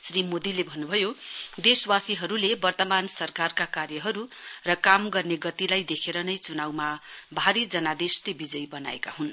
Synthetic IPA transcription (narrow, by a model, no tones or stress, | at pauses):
srimod̪ilebʱʌnːubʱʌjod̪eswasiɦʌɾulebʌrt̪ʌmansʌrkarkakarjʌɦʌɾurʌkamɡʌrneɡʌt̪ilajd̪ekʰeɾʌnʌjt͡sunawmabʱaɾid͡zʌnad̪eslebid͡zʌjbʌna̰ḛkaɦun